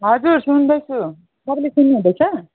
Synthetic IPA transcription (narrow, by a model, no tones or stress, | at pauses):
ɦʌd͡zursund̪ʌjt͡sʰu | t̪ʌbʌlesunːeɦũd̪ʌjt͡sʰʌ